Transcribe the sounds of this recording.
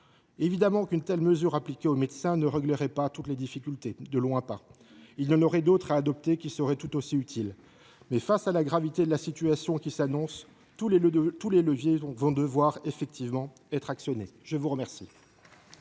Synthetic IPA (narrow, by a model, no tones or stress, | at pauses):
evid̪amɑ̃kynt̪ɛlməzyʁaplikʲeomed̪sɛ̃nəʁəɡləʁɛpat̪ut̪led̪ifikʲylt̪ed̪əlwɛ̃pa | ilnɑnɔʁɛd̪ot̪χaːd̪ɔp̚t̪ekʲisəʁɛt̪ut̪osiyt̪ʰil | mɛfasalaɡʁavit̪ed̪əlasit̪yasjɔ̃kʲisanɔ̃s | t̪uleləvjevɔ̃d̪əvwaʁefɛk̚t̪ʰivmɑ̃ | ɛt̪χaksjɔneʒəvuʁəmɛʁsi